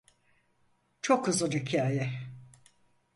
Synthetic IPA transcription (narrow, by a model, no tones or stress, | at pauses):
t͡ʃʰo̞khɯzɯnhicʰaːjɛ